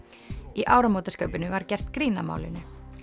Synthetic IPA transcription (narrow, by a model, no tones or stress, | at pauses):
iʔaːwɾamoːt̪askœɥpɪnʏvaɾcɛr̥t̪kɾiːnama̰ːwlɪ̰nʏ